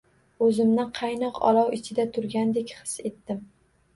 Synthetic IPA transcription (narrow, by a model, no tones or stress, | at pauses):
ɵzɪmnɪqʰɑjnɒqɒ̰lˠɒwɪt͡ʃʰɪd̪at̪ʰʊɾɡʲand̪e̞kʲχɨ̥se̞t̪ːɪm